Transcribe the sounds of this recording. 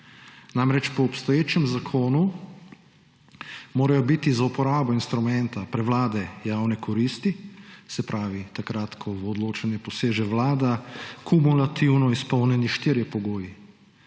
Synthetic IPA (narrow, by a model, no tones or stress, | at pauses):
namɾɛt͡ʃpɔːpst̪ɔjeːt͡ʃɛmzakʰoːnu | moːɾajɔbit̪izaupɔɾaːbɔinst̪ɾumɛnt̪apɾɛʋlaːd̪ɛjaːwnɛkʰɔɾiːst̪isɛpɾʔaːʋit̪akɾat̪kʰɔɔd̪loːt͡ʃanɛpɔseːʒɛʋlaːd̪akʰumulat̪iwnɔispɔwnjɛniʃt̪iːɾjɛpɔɡoːji